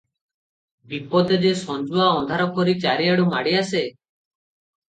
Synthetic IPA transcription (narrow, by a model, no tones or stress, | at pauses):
bipɔd̪ed͡ʒesɔnd͡ʒuaɔnd̪ʱaɾɔkɔɾit͡ʃaɾiaɽumaɽiase